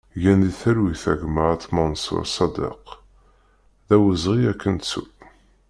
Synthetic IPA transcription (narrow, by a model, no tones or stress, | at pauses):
jænðiθæɾwiθæʝməɾt̪ːmɑnsʊ̰ɾsˤɑd̪ḛq | ðæwəzʁiækːənt̪sṵ